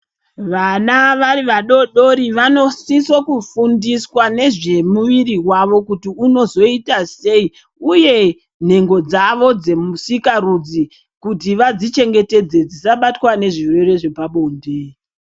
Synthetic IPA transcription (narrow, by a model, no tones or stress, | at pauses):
ʋanaʋariʋaɗo̞ɗo̞ɾiʋano̞sisokufundiswane̞ʐe̞muʋiriwaʋo̞kutiuno̞zo̞itase̞i | uje̞ | n̤e̞ŋɡo̞d͡zaʋo̞d͡ze̞musikarud͡zi | kutiʋad͡zit͡ʃe̞ŋɡe̞te̞d͡ze̞d͡zisaɓatwane̞ʐirwe̞re̞ʐe̞paɓo̞nde